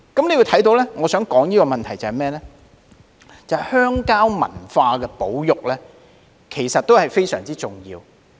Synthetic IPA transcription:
kɐ˨˥mne˨˧jwu˨˧jt̪ʰɐ˨˥jt̪o˨˥wlɛː˥ŋɔː˨˧sœː˨˥ŋkɔː˨˥ŋjiː˥kɔː˧mɐ˨nt̪ʰɐ˨˩jt͡sɐ˨˩hɐ˨mɛː˥lɛː˥ | t͡sɐ˨hjhœː˥ŋkaː˥wmɐ̰˨˩nfaː˧kɛː˧po˨˥wjʊ˨k̚lɛː˥ | kʰe˨˩jsɐ˨t̪̚ːo˥whɐ˨jfe˥jsœ̰ː˨˩ŋt͡siː˥t͡sʊ˨˩ŋjḭː˧w

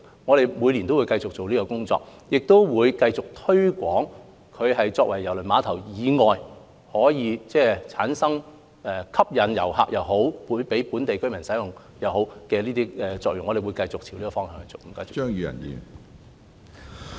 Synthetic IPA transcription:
ŋɔː˨˧ɾe˨jmu˨˧jli˨˩nt̪o˥wuː˨˧jkɐ˧jt͡sʊ˨k̚t͡so˨wliː˥kɔ˧kʊ˥ŋt͡sɔ̰ː˧k̚jɪ˨k̚t̪o˥wwuː˨˧jkɐ˧jt͡sʊ˨k̚t̪ʰɵ˥ɥkʷɔː˨˥ŋ | kʰɵ˨˧ɥɦɐ˨jt͡sɔː˧kwɐ˨˩jːɐ˨˩wlɵ˨˩maː˨˧t̪ʰɐ˨˩wjiː˨˧ŋɔː˨j | hɔː˨˥jiː˨˧t͡sɛː˥˩t͡sʰaː˨˥nsɐ˥ŋ | ɛː˧kʰɐ˥p̚jɐ˨˧njɐ̰˨˩wha̰ː˨k̚jɐ˨wɦo˨˥wpuː˨˥npe˨˥jpuː˨˥nt̪e˨jkɵ˥ɥmɐ˨˩nsɐ˨˥jʊ˨ŋ | jɐ˨˩wɦo˨˥wkɛː˧liː˥t̪iː˥ɛ˧t͡sɔː˧k̚jʊ˨ŋɔː˨˧de˨jwu˨˧jkɐ˧jt͡sʊ˨k̚t͡ɕʰiː˨˩wliː˥kɔ˨fɔː˥ŋɦœː˧ŋhɐ˨˩t͡sʊ˨k̚kɐː˧jo˨œː˥ŋjyː˨˧jɐ̰˨˩njḭː˨˧

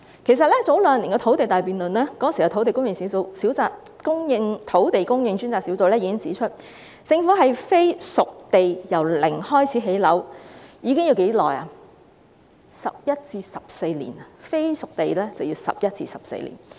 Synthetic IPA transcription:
kʰe˨˩s̬ɐ˨t̚lɛː˥t͡so˨˥wlœː˨˩ŋliː˨˩ŋkɛː˧t̪ʰo˨˥wt̪e˨jt̪aː˨jpiː˨˩nlɵ˨nlɛː˥kɔ˧˥˨si˨ɐ˨˩t̪ʰt̪e˨jkʊ˥ŋjɪ˨˧ŋsiː˨˥wt͡so˨˧wsiː˨˥wt͡saː˨˧t̚ | kʊ˥ŋjɪ˧ŋt̪ʰo˨˥wt̪e˨jkʊ˥ŋjɪ˧ŋt͡syː˥nt͡saː˨k̚siː˨˥wt͡so˨wlɛː˥ji˨˧kɪ˥ŋt͡siː˨˥t͡ʃʰɵ˥t̚ | t͡sɪ˧ŋfuː˨˥ɦɐ˨jfe˥jsʊ˨k̚t̪e˨jjɐ˨˩wlɪ˨˩ŋhɔː˥jt͡sʰiː˨˥ɦe˨˥jlɐ˨˥wjiː˨˧kɪ˥ŋji˧wke˨˥jlɔ̰ː˨˩ja̰ː˧ | sɐ˨p̚jɐ˥t̚t͡siː˧sɐ˨p̚se˧jlḭː˨˩na˨fe˥jsʊ˨k̚t̪e˨jlɛː˥t͡sɐ˨wji˧wsɐ̰˨p̚jɐ˥t̚t͡sḭː˧sɐ˨p̚sḛ˧jlḭː˨˩n

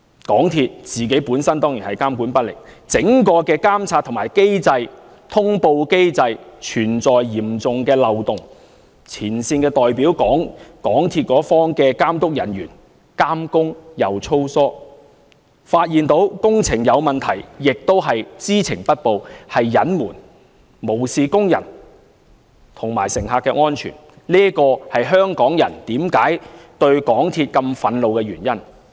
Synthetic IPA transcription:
kɔː˨˥ŋt̪ʰiː˧t̚t͡siː˨ke˨˥jpuː˨˥nsɐ˥nt̪ɔː˥ŋjiː˨˩nhɐ˨jkaː˥mkuː˨˥npɐ˥t̚lɪ̰˨k̚t͡sɪ˨˥ŋkɔː˧kɛː˧kaː˥mt͡sʰaː˧t̪ʰːʊ˨˩ŋmaː˨˩jke˥jt͡sɐ˧j | t̪ʰʊ˥ŋpo˧wke˥jt͡sɐ˧jt͡ʃʰyː˨˩nt͡sɔː˨jjiː˨˩mt͡sʊ˨ŋkɛː˧lɐ˨wt̪ʊ˨˩ŋ | t͡sʰiː˨˩nsiː˧nkɛː˧t̪ɔː˨jpiː˨˥wkɔː˨˥ŋkɔː˨˥ŋt̪ʰiː˧t̚kɔː˨˥fɔː˥ŋkɛː˧kaː˥mt̪ʊ˥k̚jɐ˨˩njyː˨˩n | kaː˥mkʊ˥ŋjɐ˨˧wt͡ʃʰo˥wsɔː˥ | faː˧t̚jiː˨nt̪o˨˥wkʊ˥ŋt͡sʰɪ˨˩ŋjɐ˨˧wmɐ˨nt̪ʰɐ˨˩jːɪ˨k̚t̪o˥wɦɐ˨jt͡siː˥t͡sʰɪ˨˩ŋpɐ˥t̚po˨˧whɐ˨jːɐ˨˥nmuː˨˩n | mo˨˩wsiː˨kʊ˥ŋjɐ̰˨˩n | t̪ʰʊ˨˩ŋmaː˨˩jsɪ˨˩ŋɦaː˨˧kːɛ˧ŋɔː˥nt͡ʃʰy̰ː˨˩n | liː˥kɔː˧hɐ˨jɦœː˥ŋkɔː˨˥ŋjɐ̰˨˩nt̪iː˨˥mkaː˨˥jt̪ɵ˧ɥkɔː˨˥ŋt̪ʰiː˧t̚kɐ˧mfɐ˨nlo˨wkɛ˧ɥyː˨˩njɐ˥n

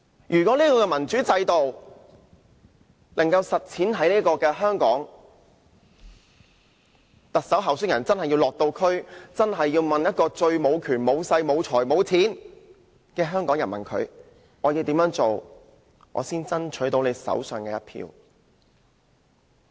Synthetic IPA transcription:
jʔyː˨˩kʷɔː˨˥liː˥kɔː˧kɛː˧mɐ˨˩nt͡ʃyː˨˥t͡sɐ˧jt̪o˨w | lɐ˨˩ŋkɐ˧wsɐ˨t̚t͡sʰiː˨˥nɦɐ˨˥jniː˥kɔː˧kɛː˧ɦœː˥ŋkɔː˨˥ŋ | t̪ɐ˨k̚sɐ˨˥wɦɐ˨˩wsɵ˥k̚jɐ˨˩nt͡sɐ˥nɦɐ˨jːi˧wlɔː˨k̚t̪o˧wkʰɵ˥ɥt͡sɐ˥nɦɐ˨jːiː˧wmɐ˨njɐ˥t̚kɔː˧t͡ʃɵ˧ɥmo˨˧wkʰyː˨˩nmo˨˧wsɐ˧jmo˨˧wt͡sʰɔː˨˩jmo˨˧wt͡sʰiː˨˥n | kɛː˧ɦœː˥ŋkɔː˨˥ŋjɐ˨˩nmɐ̰˨nkʰɵ̰˨˧ɥ | ŋɔː˨˧ji˧wt̪iː˨˥mjœː˨˥ŋt͡so˨w | ŋɔ̰ː˨˧siː˥nt͡sɐ˥nt͡ʃʰɵ˨˥t̪o˨˧wne˨˧jsɐ̰˨˥wsœː˨ŋkɛː˧jɐ˥t̚pʰḭː˧w

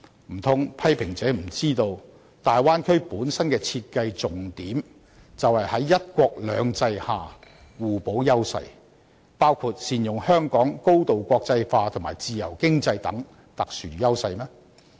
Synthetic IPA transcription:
m̩˨˩t̪ʰʊ˥ŋpʰɐ˥jpʰɪ˨˩ŋt͡sɛː˨˥m̩˨˩t͡siː˥t̪o˧w | t̪aː˨jwaː˥nkʰɵ˥ɥpuː˨˥nsɐ˥nkɛː˧t͡sʰiː˧t̚kɐ˧jt͡sʊ˨ŋt̪iː˨˥m | t͡sɐ˨whɐ˨jhɐ˨˥jːɐ˥t̚kʷɔː˧k̚lœ̰ː˨˥ŋt͡sɐ˧jhaː˨ | wuː˨po˨˥wjɐ˥wsɐ̰˧j | paː˥wkʰuː˧t̚siː˨njʊ˨ŋhœː˥ŋkɔː˨˥ŋko˥wt̪o˨wkʷɔː˧k̚t͡sɐ˧jfaː˧t̪ʰʊ˨˩maː˨˩jt͡siː˨jɐ̰˨˩wkɪ˥ŋt͡sɐ˧jt̪ɐ̰˨˥ŋ | t̪ɐ˨k̚syː˨˩˨jɐ˥wsɐ˧jmɛː˥

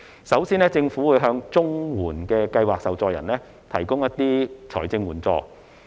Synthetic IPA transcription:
sɐ˨˥wsiː˥nɛː˥t͡sɪ˧ŋfuː˨˥wuː˨˧jɦœː˧ŋt͡sʊ˥ŋwuː˨˩nkɛː˧kɐ˧jwaː˨k̚sɐ˨wt͡sɔː˧jɐ̰˨˩nlɛː˥ | t̪ʰɐ̰˨˩jkʊ˥ŋjɐ˥t̪iː˥t͡sʰɔː˨˩jt͡sɪ˧ŋwuː˨˩nt͡sɔ̰ː˧

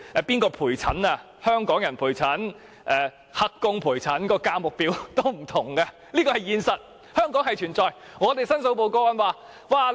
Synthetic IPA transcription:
ɛ˨piː˥nkɔː˧pʰuː˨˩jt͡sʰɐ˨˥na˧ | hœː˥ŋkɔː˨˥ŋjɐ˨˩npʰuː˨˩jt͡sʰɐ˨˥n | ʔɛː˨ | hɐ˧kːʊ˧ŋpʰuː˨˩jt͡sʰɐ˨˥nkɔː˧kaː˧mʊ˨k̚piː˨˥wt̪o˥wm̩˨˩t̪ʰʊ˨˩ŋkɐ˧ | liː˥kɔː˧hɐ˨jiː˧nsɐ˨t̚ | hœː˥ŋkɔː˨˥ŋhɐ˨jt͡ʃʰyː˨˩nt͡sɔː˨jŋɔː˨˧t̪e˨jsɐ˥nso˨˥wp̬o˨wkɔː˥wɐ˨˥nwaː˨˧ | waː˨˧

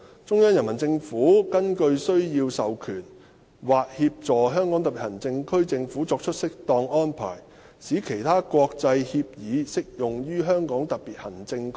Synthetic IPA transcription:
t͡sʊ˥ŋjɐː˥njɐ˨˩nmɐ˨˩nt͡sɪ˧ŋfuː˨˥kɐ˥nkɵ˧ɥsɵ˥ɥjiː˧wsɐ˨wkʰyː˨˩n | waː˨˩k̚hiː˧p̚t͡sɔː˨˩ɦœː˥ŋkɔː˨˥ŋt̪ɐ˨˩pːi˨˩hɐ˨˩nt͡sɪ˧ŋkʰɵ˥ɥt͡sɪ˧ŋfuː˨˥t͡sɔː˧k̚t͡ʃʰɵ˥t̚sɪ˥k̚t̪ɔː˧ŋɔː˥npʰa̰ː˨˩j | siː˨˥kʰe˨˩jt̪ʰaː˥kwɔː˧k̚t͡sɐ˧jhiː˧p̚jiː˨˧sɪ˥k̚jʊ˨ŋjyː˥ɦœː˥ŋkɔː˨˥ŋt̪ɐ˨k̚piː˨˩t̚hɐ˨˩nt͡sɪ˧ŋkʰ

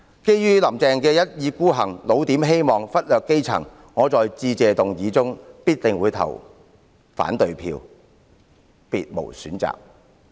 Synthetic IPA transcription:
ke˥jjyː˥lɐ˨˩mt͡sɛː˨˧ŋkɛː˧jɐ˥t̚jiː˨˧kuː˥ɦɐ̰˨˩ŋlo˨˧wt̪iː˨˥mɦe˥jmɔː˨ŋfɐ˥t̚lœː˨kːe˥jt͡sʰɐ̰˨˩ŋ | ŋɔː˨˧t͡sɔː˨jt͡siː˧t͡sɛː˨˧t̪ʊ˨ŋjiː˨˧t͡sʊ˥ŋpiː˥t̚t̪ɪ˨ŋwuː˨˧jt̪ʰɐ̰˨˩w | fa̰ː˨˥nt̪ɵ˨ɥpʰḭː˧w | piː˨t̚mo̰˨˩wsy̰ː˨˥nt͡sa̰ː˨k̚

